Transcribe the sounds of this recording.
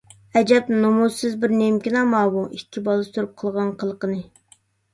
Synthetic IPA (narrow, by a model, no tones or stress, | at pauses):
ɛd͡ʒɛpnumusːɨzbɪɾnemkʲinɑmɑːbuʔikʲʰːibɑlˠɨst̪uɾup̚qʰəlˠʁɑnqʰəlˠəqənɨ